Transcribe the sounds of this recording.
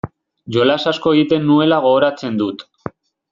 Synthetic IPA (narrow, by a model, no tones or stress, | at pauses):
ʝo̞lasasko̞eɣit̪e̞nːue̞laɣo̞ːɾat͡se̞nd̪ut̪